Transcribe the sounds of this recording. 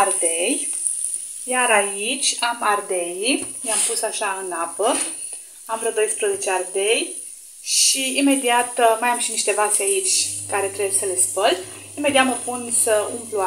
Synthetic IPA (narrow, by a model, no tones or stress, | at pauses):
ard̪ej | jaɾait͡ʃʲamard̪e̞jimeampusaʃaɨnapə | amɾəd̪o̞jspɾəze̞t͡ʃeard̪ej | ʃiime̞d̪iat̪majamʃiniʃt̪e̞vaseait͡ʃʲkaɾe̞t̪ɾewjsəle̞spəlimed̪iat̪məpunsəumplua